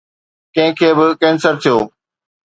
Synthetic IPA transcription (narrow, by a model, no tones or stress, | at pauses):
kɐ̃ɦɪ̃kʰeːbɪkɛ̃ːnsəɾt̪ʰijo̰ː